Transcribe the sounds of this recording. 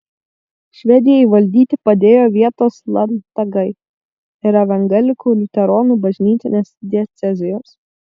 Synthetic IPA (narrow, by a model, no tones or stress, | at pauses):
ʃʲʋʲɛd̪ʲɪjɛɪʋɐlʲd̪ʲiːt̪ʲɪpɐd̪ʲeːjoːʋʲiɛt̪oːslˠɐnt̪ɐɡɐɪ | ɪɾɐʋʲɛŋɡɐlʲɪkuːlʲɪt̪ʲɛɾɔnuːbɐʒʲnʲiːt̪ʲɪnʲeːsd̪ʲɛt̪sʲɛzʲɪjoːs